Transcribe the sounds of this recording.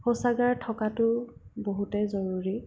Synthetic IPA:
hosaɡaɹtʰɔkatʊboɦutɛzoɹuɹi

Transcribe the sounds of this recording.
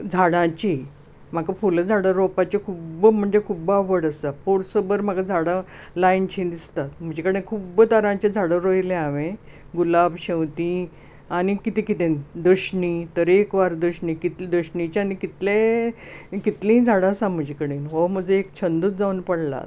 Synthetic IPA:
d͡zʱaɽãt͡ɕi | m̤akafuld͡zʱaɽəɾopat͡ɕekʰuːbm̤əɳd͡zekʰuːbaʋəɽəsapoɾsəbəɾm̤akad͡zʱaɽa | lajnt͡ɕʰĩd̪ist̪at̪m̤əd͡ʑikəɽẽkʰubt̪aɾãt͡ɕed͡zʱaɽəɾojlẽaʋẽ | ɡulabɕẽwt̪ĩ | añikit̪ĩkit̪ẽnd̪əɕɳit̪əɾekʋaɾd̪əɕɳikit̪d̪əɕɳit͡ɕianikit̪le | kit̪lĩd͡zʱaɽasãm̤əd͡ʑʱikəɽẽnɦom̤əd͡zəekt͡ɕʰənd̪uːt̪̚d͡zaunpəɽla̰

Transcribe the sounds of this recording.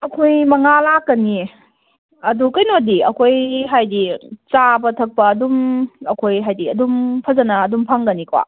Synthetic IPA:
ɐkʰojmɐŋalakːɐni | ɐdukɐjnodiɐ̰kʰojɦajdit͡ʃabɐtʰɐk̚pɐːdumɐkʰojɦajdiɐdumpʰɐzɐnɐːdumpʰaŋɡɐnikwa̰

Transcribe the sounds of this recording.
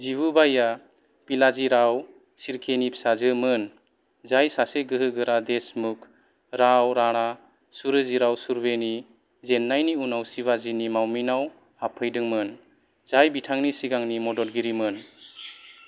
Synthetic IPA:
ziβɯbaja | pilaziɾaw | siɾkʰenipsazɯmɯn | zajsaseɡɯɦɯɡɯɾad̪esmukʰ | ɾawɾaɽ̃a | suɾɯziɾawsuɾbeni | zenːajniunawsiβazinimawminaw | hapʰɯjdɯŋmɯn | zajbitʰaŋnisiɡaŋnimɔdɔɾɡiɾimɯn

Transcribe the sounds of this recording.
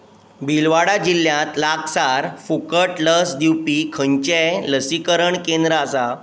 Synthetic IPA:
bʱilʋaɽad͡ʑilːjãt̪laksaɾfukəʈləsd̪iwpikʰəɲt͡ɕeləsikəɾəɳkẽnd̪ɾasa

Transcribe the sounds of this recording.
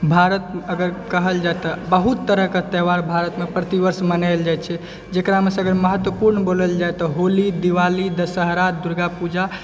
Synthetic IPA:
bʱaɾət̪əɡəɾkəɦəld͡ʒaet̪ɔbəɦut̪ːəɾəket̪ɛʋaɾbʱaɾət̪mepɾət̪iʋəɾsmənald͡ʒajt͡ʃʰɛ | d͡ʒekɾamesə̃əɡəɾməɦət̪wəpuɾnboləld͡ʒajt̪ɔɦolid̪iʋalid̪əsəɦɾad̪uɾɡapud͡ʒa

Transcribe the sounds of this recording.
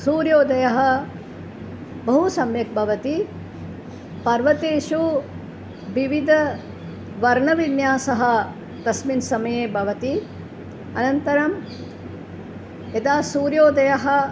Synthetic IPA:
suːɾjoːd̪ɐjɐɦɐ̆ | bɐɦusɐmjɐk̚bʱɐʋɐt̪i | pɐɾʋɐt̪eːʃu | ʋiʋid̪ʱɐ | ʋɐɾɳɐʋinjaːsɐɦɐ̆ | t̪ɐsminsɐmɐjeːbʱɐʋɐt̪i | ɐ̰nɐnt̪ɐɾɐm | ed̪aːsuːɾjoːd̪ɐjɐɦɐ̆

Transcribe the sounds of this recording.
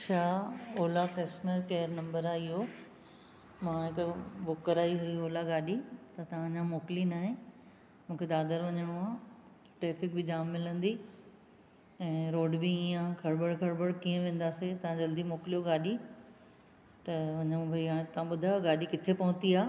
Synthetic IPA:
t͡ɕʰaːoːlakɐsmeɾkeːəɾnɐ̃mbəɾaɪɦo | mãːɦɪkbʊkːəɾaːiɦʊɾioːlaɡaːɗit̪ɐt̪ɐʋ̤ãd͡ʑãmoːklinaːɦẽ | mũːkʰed̪aːd̪əɾʋɐɲəɽ̃uaː | ʈɾeːfɪk̚bɪd͡ʑaːmːɪlə̃nd̪i | ɛ̃ːɾoːɖbiĩːãkʰɐɽbəɽkʰɐɽbəɽkiːə̃ʋẽːn̆d̪aːset̪ɐʋ̤ãd͡ʑɐld̪imoːklijoɡaːɗi | t̪ɐʋɐɲəɽũbʱɐɦãt̪ɐʋ̤ãɓʊd̪ʱaːjoɡaːɗikɪt̪ʰepɐʋʊ̃t̪iaː

